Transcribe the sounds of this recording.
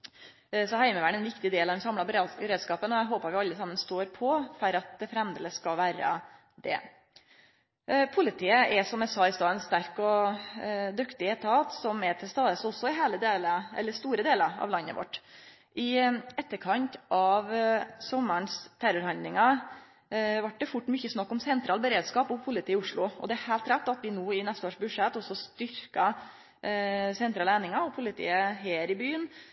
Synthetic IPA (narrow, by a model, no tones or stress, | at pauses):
sɔhæɪməʋæːɳɛnʋɪkt̪ɪd̪eːlɑd̪ɛnsɑmlɑbɾkəɾeːd̪skɑːpənɔæɪɦoːpɑɾʋɪɑlːəsɑmːənst̪oːɾpʰɔfɔɾɑt̪̚d̪ɛfɾɛmd̪ələskɑlʋæːɾə̰ | d̪ɛ̰ | pʰʊlɪt̪ʰiːəɛsɔmæsɑːɪst̪ɑːɛnst̪æɾkɔ | d̪ʉkt̪ɪət̪ʰɑːt̪sɔmɛt̪ʰɪlst̪ɑːd̪əsɔsːɔɪɦeːləd̪eːləɛ̰lːəɾst̪uːɾəd̪eːlɑɾɑ̰ʋlɑnːə̰ʋɔ̰ʈː | ʔɪɛt̪ːəɾkʰɑnt̪ʔɑʋsɔmːəɳst̪ʰæɾʊɾhɑnd̪lɪŋɑ | ʋɑʈ̚ɖɛfʊʈːmʏçːəsnɑkːɔmsɛnt̪ɾɑːlbəɾeːd̪skɑːpɔpʰʊlɪt̪ʰiːʊʂɭʊʔɔ̰d̪ɛæɾhæɪlt̪ɾɛt̪ːɑt̪ʋɪnuːɪnɛst̪əoːʂbʉʂɛt̪ːɔsːɔst̪ʏɾkɑ | sɛnt̪ʰɾɑːlæɪnɪŋɑɔpʰʊlɪt̪ʰḭːəɦeːɾɪbyːən